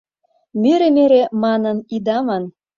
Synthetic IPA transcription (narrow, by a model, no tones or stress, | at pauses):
myɾemeɾemɑnənid̪ɑmɑn